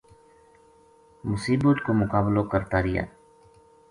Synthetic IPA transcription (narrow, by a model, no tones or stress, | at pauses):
mʊsiːbut̪komʊkaːbloːkəɾt̪aːɾɪja̰ː